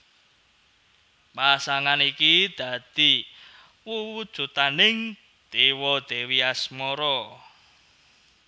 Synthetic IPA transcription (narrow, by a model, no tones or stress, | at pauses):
pasaŋanikid̪̥ä̤d̪̥i̤ | wuwud̥ʒ̥ṳt̪anɪŋ | d̪̥ewɔd̪̥ewiasmɔɾɔ